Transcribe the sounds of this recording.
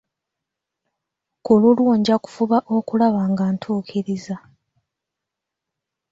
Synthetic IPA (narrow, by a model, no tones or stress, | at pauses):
kolulwoːɲɟaku̥fuβaʔo̞kulaβaːŋɡaːntʰuːkʰiɾiza